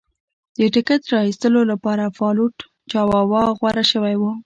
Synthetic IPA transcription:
d̪̥əʈɪket̪ɾɑist̪əlolapɑɾafɑluʈ | t͡ʃɑwɑwɑɣwaɾaʃəwajwu

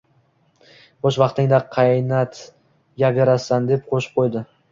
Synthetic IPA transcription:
bɒʃvɑqt̪ɪŋd̪aqʰɑjnat̪ | jaɡʲaɾasand̪ep̚qʰoʃɪ̥p̚qʰojd̪ɪ

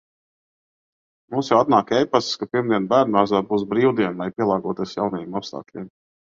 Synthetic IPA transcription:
muːsjawat̪̚naːkɛjpasskapiɾmd̪iɛnbæːɾnaːzaːbuːsbɾiːwd̪iɛnajpʲiɛlˠɑːɡuɔt̪iɛsjawnɛjɛmapst̪a̰ːklʲiɛm

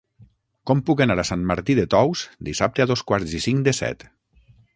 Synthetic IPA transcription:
kɔmpukanaɾasanmaɾt̪iðet̪ɔwz̥d̪isap̚t̪eaðoskwaɾzisiŋd̪əsɛ̰t̪

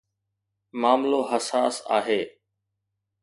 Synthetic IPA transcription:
maːmloːɦəsaːsa̰ːɦeː

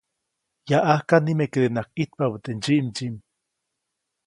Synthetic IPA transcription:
jaʔahkanimekeɾenakit̪̚pabɨt̪end͡ʒiʔmd͡ʒim

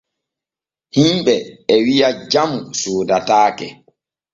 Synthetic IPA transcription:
himɓɛɛwijad͡ʒamusoːdataːkɛ

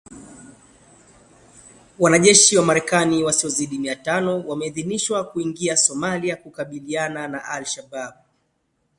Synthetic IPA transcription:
wanaʄɛʃiwamaɾɛkaniwasiɔziɗimiatanɔwamɛiðiniʃwakuiŋɡiasɔmaliakukaɓiliananaʔalʃabaɓ

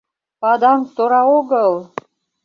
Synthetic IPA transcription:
pɑd̪ɑnt̪oɾɑoɡəlˠ

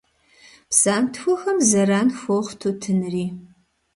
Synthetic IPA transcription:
psaːmtʰxʷɔxɐmzɐɾaːnfʷoχtʰotʰɨnɨriː

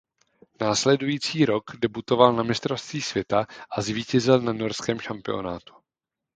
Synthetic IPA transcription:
naːslɛdujiːt͡siːɾo̞kdɛbut̪o̞valnamɪst̪ɾofst̪viːsv̥jɛt̪aʔazviːcɛzɪlnano̞ɾskɛːmʃampɪo̞̰naːt̪u̥

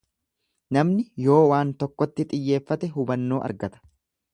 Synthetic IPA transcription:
nɐmnɪjo̞ːwaːnt̪ɔkːɔt̪ːɪt̪ʼɪjːeːfːɐt̪ɛɦʊbɐnːo̞ːʔɐ̰ɾɡɐt̪ɐ̥

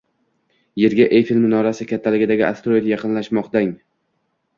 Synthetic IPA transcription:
je̞ɾɡʲaʔejfilmnɒɾasɪkʲʰat̪ʰːalɪɡʲɪd̪aɡʲɪʔa̰st̪ɾojt̪jɑqʰɨnlaʃmɒqt̪aŋ

